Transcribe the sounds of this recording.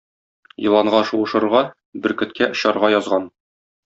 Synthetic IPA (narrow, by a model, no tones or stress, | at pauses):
jɤ̆lˠɑɴɢɑʃuɤ̆ʃɤ̆ɾʁɑ | bɘ̆ɾkɵ̆t̪kæʔŏɕɑɾʁɑjɒzʁɑn